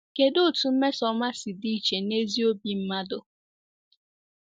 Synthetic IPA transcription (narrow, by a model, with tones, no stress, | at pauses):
ke˨dʊ˦˨tu˨m̩˦me˦sɔ˦ma˦si˨di˦t͡ʃe˨ne˦zi˦o˦bi˦m̩˦ma˦dʊ˦